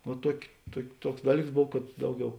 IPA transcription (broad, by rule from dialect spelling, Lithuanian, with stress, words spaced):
oː ˈtuɔkʲɪ ˈtuɔkʲ ˈtuɔks ˈdɑːˌlʲiːks ˈboːw kɐt ˈdɐʊˌɡʲɛʊ